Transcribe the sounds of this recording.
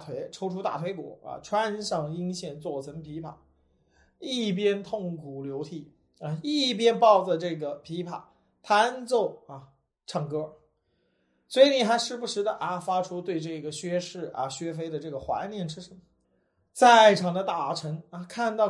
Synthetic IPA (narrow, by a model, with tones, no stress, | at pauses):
t̪ʰwe˧˥ɪʈ͡ʂʰo˧˥ʊʈ͡ʂʰu˥t̪a̰˥˩t̪ʰwe˧˥ɪkwɔ̰˨˩˦a̰˧ʈ͡ʂʰwa˥nʂɑ˥˧ŋi˥ŋɕjɛ˥˩nt͡swɔ˥˩t͡sʰɤ˧˥ŋpʰi˧˥pʰa˨˩˦ | i˥˩p̬jɛ˥nt̪ʰʊ˥˩ŋkʰu˨˩ljo˧˥ʊt̪ʰi˨˩˦ | a˧i˥˩p̬jɛ˥npɑ˥˩ʊd͡zə˩ʈ͡ʂɤ˥˩ɡə˩pʰi˧˥pʰa̰˨˩˦ | t̪ʰa˥nt͡so˥˩ʊa˧˩ | ʈ͡ʂʰɑ˨˩ŋkɤ˧˥ | swɔ˧˥i˨˧˥ni˨˩xa˧˥ɪʂɻ̩˥˩bu˧˩ʂɻ̩˧˥d̪ə˧ʔa˧fa˥ʈ͡ʂʰu˥t̪we˥˧ɪʈ͡ʂɤ˥˩ɡə˩ɕɥɛ˥ʂɻ̩˥˩ɐ̰˧˩ɕɥɛ˥fe˥ɪd̪ə˨ʈ͡ʂɤ˥˩ɡə˩xwa̰˧˥ɪnjɛ˥˩nʈ͡ʂʰɻ̩˥ʂə˧˥nmə˩ | t͡sa˥˩ɪʈ͡ʂʰɑ˨˩ŋd̪ə˧t̪a˥˩ʈ͡ʂʰɤ˧˥ŋa˧kʰa˥˧nt̪ɑ˥˧ʊ